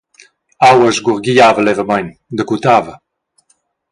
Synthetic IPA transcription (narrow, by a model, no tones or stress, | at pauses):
awəzɡuʁɡiaːvəlɛvəmajnd̪əkut̪aːvə